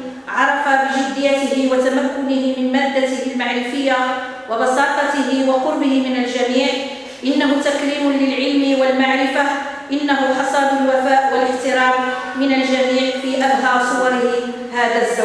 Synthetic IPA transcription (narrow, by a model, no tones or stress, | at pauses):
ʕɑɾˤɑfabɪʒɪd̪ːɪjːat̪ɪhɪwat̪amakːʊnɪhɪmɪnmaːd̪ːat̪ɪhɪlmaʕɾɪfɪjːa | wɑbɑsɑːt̪ˤɑt̪ɪɦɪwɑqʊɾbɪhɪmɪnald͡ʒamiːʕ | ʔɪnːaɦʊt̪akɾiːmʊlɪlʕɪlmɪwalmaʕɾɪfa | ʔɪnːaɦʊxɑsˤɑːd̪ʊlwafaːʔwalɪħt̪ɪɾɑːmmɪnald͡ʒamiːʕfiːʔabɦɑːsˤʊwɑɾɪhɪ | haːðazːa